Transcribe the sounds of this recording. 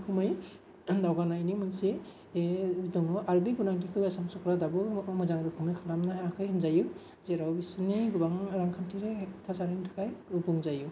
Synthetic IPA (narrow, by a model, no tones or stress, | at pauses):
kʰumɯj | dawɡanajnimɯse | dɔŋɯʔaɾbiɡunaŋtʰikʰɯjasamsɔkʰɾadabɯmɯzaŋɾɯkʰumɯjkʰalamnaaakʰɯjhɯnzaju | zeɾawbisɯniɡubaŋɾaŋkʰantʰiɾetʰasaɾintʰɯkʰajubuŋzaju